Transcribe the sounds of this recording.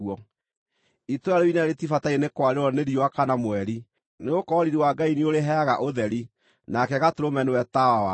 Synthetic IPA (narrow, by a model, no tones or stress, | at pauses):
ɔ | itoaɾoinaɾetifataenekwaɾeɾɔneɾioakanamwɛɾi | neokɔːɾiɾiwaɡaineoɾeɦɛɣaʔoðɛɾi | nakɛɣatoɾomɛnewɛtawawa